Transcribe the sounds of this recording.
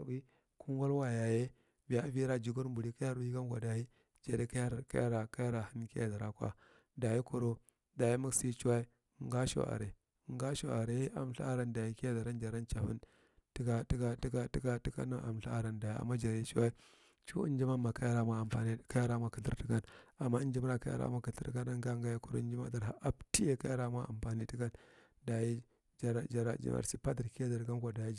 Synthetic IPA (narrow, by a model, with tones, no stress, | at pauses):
i˦ | kʰu˦n˦ɡa˦lwa˨ja˨je˦ | vi˨ja˨˦vi˦ɾa˨d͡ʒu˨ɡu˦ɾmbu˨ɾi˦ka˦ja˦ɾu˦i˦ka˦nɡa˨da˨ji˦ | d͡ʒa˨de˦ka˦ja˦ɾka̰˦ja˦ɾa˨ka˦ja˦ɾa˨hi˦n˦ki˦ja̰˨za˨ɾa˦kwa̰˦ | da˨ji˦ku˨ɾo˦ | da˨ji˦mu˦ksi˦t͡ʃu˦wa˦i˦˨ | ŋɡa˦ʃo̰˨ʔa̰˨ɾe˨ | ŋɡa˦ʃo˨a˨ɾe˦a̰˨m˦ɬa̰˦a˦ɾa˨nda˨ji˦ki˦ja˦za˨ɾa˦nd͡ʒa˨ɾa˦nt͡ʃa˨fḭ˦n | ti˦ka˦ti˦ka˦ti˦ka˦ti˦ka˦ti˦ka̰˦na˦ʔa̰˨mɬa˦a˦ɾa˨nda˨ji˨a̰˨mːa˦d͡ʒa˨ɾi˦t͡ʃu˦wa˦i˦ | t͡ʃṵ˦nd͡ʒi˦ma˦ma˨ka˦ja˦ɾa˦ma˦a˨mpa˨ni˦ka˦ja˦ɾa˦ma˦kə˨ɬḭ˦ɾti˦ka˦na˨mːa˦nd͡ʒi˦m˦ɾa˦˨ka̰˦ja̰˦ɾa̰˨˦mʷa˦kə˨ɬi˦ka˦na˦ŋɡa˦ŋɡa˦ja˦ku˦ɾ̰nd͡ʒi˦ma̰˦da˨ɾa˦ʔa˦bti˦je˦˨ka˦a˦ɾa˦ma˦a̰˨mpa˨ni˦ti˦ka˦n | da˨ji˦ | d͡ʒa˨ɾa˨d͡ʒa˨ɾa̰˦˨d͡ʒḭ˨ma̰˨si˦pa˦di˨ɾki˦ja˦da˨ɾɡa˦nkʷa˨da˨ji˦d͡ʒ